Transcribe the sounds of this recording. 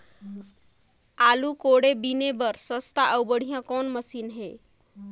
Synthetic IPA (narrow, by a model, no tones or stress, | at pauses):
alukoɽebinebəɾsəst̪aʔəwbəɽ̤ijãkɔnməsinɦe